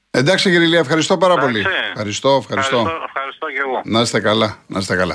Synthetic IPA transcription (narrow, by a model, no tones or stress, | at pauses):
end̪ɐksiciɾiliɐefxɐɾist̪o̞pɐɾɐpo̞lixɐɾist̪o̞efxɐɾist̪o̞ | nɐsest̪ekɐlɐnɐst̪ekɐlɐ̰